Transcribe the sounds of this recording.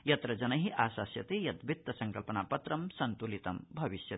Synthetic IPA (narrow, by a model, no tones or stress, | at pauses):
jɐt̪ɾɐd͡ʒɐnɐɦiʔaːʃaːsjɐt̪ejɐd̪bʱit̪ːɐsɐŋkɐlpɐnaːpɐt̪ɾɐmsɐnt̪ulit̪ɐmbʱɐʋiʃjɐt̪